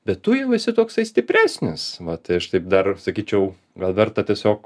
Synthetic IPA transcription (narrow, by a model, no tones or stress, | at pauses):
bʲɛt̪tʊjɛʊʋʲɪsʲɪt̪oːkst̪ɐɪsʲt̪ʲɪpʲɾʲæːsʲnʲɪsʋɐt̪ɐɪɐʃt̪ɐɪp̚d̪ɐrsɐkʲiːt͡ʃʲɛʊ | ɡɐlˠʋʲɛrt̪ɐtʲiɛsʲoːk